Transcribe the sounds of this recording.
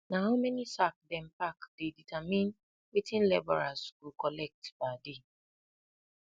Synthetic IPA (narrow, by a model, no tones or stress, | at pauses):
naɦaʊmɛnisak̚dɛ̃m̩pakdeditʰamĩn | witĩnlɛbɔɹaskukɔlɛk̚tbade